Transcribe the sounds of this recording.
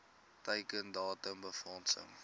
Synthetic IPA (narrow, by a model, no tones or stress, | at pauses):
təjkəndɑːtəmbəfɔːnsə̰m